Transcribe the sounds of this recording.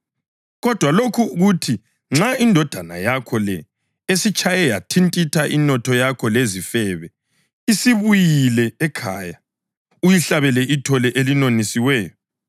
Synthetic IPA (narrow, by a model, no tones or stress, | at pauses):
ɣɔd̥ʱwalokʰuɣutʰi | ŋ͡ǁaindʱɔd̥ʱana̰jakʰɔlɛ | esit͡ʃʰʼajɛjatʰintʼitʰaʔinɔtʰɔjakʰɔlezifɛβɛ | isiβujilɛːkʰa̰ːja | ujiɬaβɛlɛʔitʰɔlɛʔelinonisiwɛːjɔ